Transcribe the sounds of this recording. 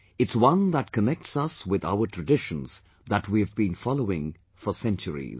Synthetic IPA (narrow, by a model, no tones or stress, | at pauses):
ɨtswʌ̃nðət̚kʰənɛk̚tsʌswɪða̰ʊətʰɹ̥ɨdɪʃə̃nz | ðətwiɨvbĩnfɑloʊɪ̃ŋ | fəsɛ̃nt͡ʃəɹḭz